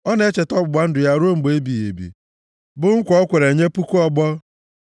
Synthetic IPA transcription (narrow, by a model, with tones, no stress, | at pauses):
ɔ˦ne˦t͡ʃe˨tɔ˦bʊ˨ɡ͡ba˦n̩˦dʊ˨ja˦˨ɾo˦ŋ͡m̩˨ɡ͡be˦bi˨jḛ˨bḭ˨ | bʊ˨ŋ̩˦kʷɔ˦kʷe˨ɾe˨ɲe˦pu˦ku˦ɔ˦ɡ͡bɔ˦